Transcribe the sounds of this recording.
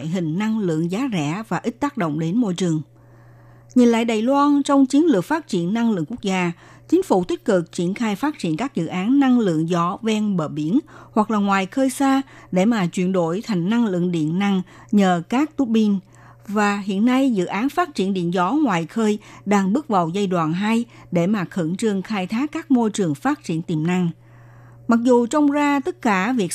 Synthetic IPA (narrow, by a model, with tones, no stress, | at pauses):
jɦï˨˩ŋ̟na˧ŋlɨ̰˧˨əŋzaː˨˦zɛ̰˧˩vaː˨˩ʔï˦˥t̚t̪aː˦˥k̚ɗo̰˧˨wŋ͡mɗe˨˦nmo˧jt͡ɕɨ˨˩əŋ | ɲi˨˩nla̰ː˧˨jɗaː˨˩jlwaː˧nt͡ɕɔ˧wŋ͡mt͡ɕi˨˦ənlɨ˨˩ək̚faː˦˥t̚t͡ɕḭ˧˩˨ənːa˧ŋlɨ̰˧˨əŋku˦˥ək̚zaː˧ | t͡ɕi˨˦ŋ̟fṵ˧˩t̪ï˦˥k̟̚kɨ˨˩k̚t͡ɕi˧˩ənxaː˧jfaː˦˥t̚t͡ɕḭ˧˩ənkaː˦˥k̚zɨ̰˧˨ʔaː˨˦nːa˧ŋlɨ̰˧˨əŋzɔ˨˧˩vɛ˧nɓəː˨˩ɓi˧˩˥ənhwa˨˩k̚laː˨˩ŋwaː˨˩jxəː˧jsaː˧ɗe˧˩maː˨˩t͡ɕwḭ˧˨ənɗo˧˩jt̪ʰa˨˩jŋ̟na˧ŋlɨ̰˧˨əŋɗḭ˧˨ənːa˧ŋ | ɲəː˨˩kaː˦˥k̚t̪u˦˥ɓi˧n | vaː˨˩ɦḭ˧˨ənːa˧jzɨ̰˧˨ʔaː˨˦nfaː˦˥t̚t͡ɕi˧˩ənɗḭ˧˨ənzɔ˧˦ŋwaː˨˩jxəː˧jɗaː˧ŋɓɨ˦˥k̚və˨˩wza˧jɗwa̰ː˨nɦa˧j | ɗe˧˩maː˨˩xə˧˥˩ŋt͡ɕɨ˧əŋxaː˧jt̪ʰaː˦˥kːaː˦˥k̚mo˧jt͡ɕɨ˨˩əŋfaː˦˥t̚t͡ɕḭ˧˩˨ənt̪i˨˩mna˧ŋ | ma˨˩k̚zu˨˩t͡ɕɔ˧wŋ͡mzaː˧t̪ə˦˥t̚kaː˧˩vi˨˩ək̚